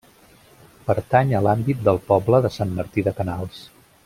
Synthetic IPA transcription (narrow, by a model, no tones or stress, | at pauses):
pəɾt̪aɲəlambit̪̚d̪əlˠpɔbləðəsamməɾt̪iðəkənalˠs